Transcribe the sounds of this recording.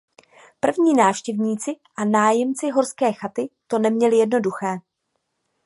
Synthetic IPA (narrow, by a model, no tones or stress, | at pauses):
pr̩vɲiːnaːfʃcɛvɲiːt͡sɪʔanaːjɛmt͡sɪɦo̞ɾskɛːxat̪ɪt̪o̞nɛmɲɛlɪjɛdno̞duxɛː